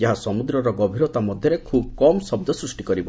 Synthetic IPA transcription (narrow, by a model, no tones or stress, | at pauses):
d͡ʒaɦasɔmud̪ɾɔɾɔɡɔbʱiɾɔt̪amɔd̪ʱjɔɾekʰub̚kɔmsɔb̚d̪ɔsɾusʈikɔɾibɔ